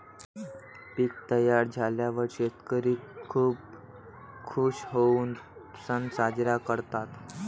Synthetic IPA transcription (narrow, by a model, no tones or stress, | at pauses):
piːk̚t̪əjaɾd͡zʱaljaʋəɾɕet̪kəɾiːkʰuːp | kʰuɕɦouːnsənsad͡ʑɾakəɾt̪at̪